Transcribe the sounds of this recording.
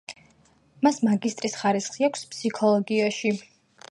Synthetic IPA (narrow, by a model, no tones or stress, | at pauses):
masmaɡist̪ʼɾisχaɾisχiakʷʰspsikʰɔlˠɔɡiaʃi